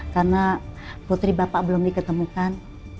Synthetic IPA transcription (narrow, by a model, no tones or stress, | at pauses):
karnaput̪ɾibapaʔbəlʊmdikət̪əmukan